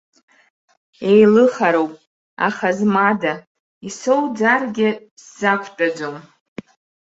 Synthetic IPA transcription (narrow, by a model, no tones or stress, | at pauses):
ejlɨχaɾo̞wpʼ | a̰χazmada | isowd͡zarɡʲɪ | sːakʷʰtʼad͡ʒʷom